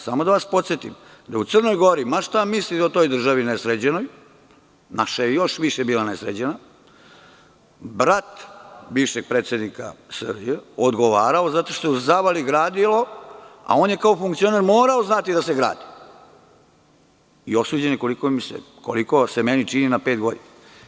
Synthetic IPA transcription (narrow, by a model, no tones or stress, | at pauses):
samod̪aʋaspo̞t̪sjet̪imd̪aut̪sər̩nojɡo̞ɾimaʃt̪amislit̪ot̪o̞jd̪r̩ʒaʋinesɾed͡ʑeno̞j | naʃajejo̞ʃʋiʃebiːlanesɾed͡ʑena | bɾat̪biːʋʃeɡ̥̚pɾet̪sje̞d̪nika̰sər̰bijeod̪ɡoʋaːɾao̞zat̪o̞ʃt̪ozaʋaliɡɾaːd̪ilˠo̞a̰o̞ːnjekaofuŋkt̪sio̞naɾmoːɾaoznat̪id̪aseɡɾa̰ːd̪i̥ | io̞suːd͡ʑeneko̞likomisḛ | ko̰liko̞semenit͡ʃininape̞ːt̪̚ɡo̞d̪ina